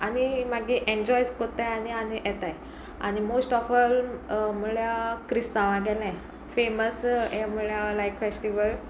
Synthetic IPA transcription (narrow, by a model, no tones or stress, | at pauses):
añimaɡiʔẽnd͡ʑɔjskot̪ajaniañijɛt̪aj | a̰ñimosʈɔfəlmuɭjakɾist̪aʋaɡɛlaj | feməsɛmuɭjalajkfesʈiʋəl